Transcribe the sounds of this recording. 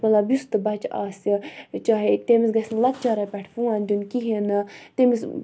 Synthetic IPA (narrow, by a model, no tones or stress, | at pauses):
mɐlɐbjust̪ɨbɐt͡ʃaːsit͡ʃaːɦet̪emisɡɐsʲnlɐt̪̚t͡ʃaɾɐpʲɛʈʰfũand̪unkiɦenɨt̪emis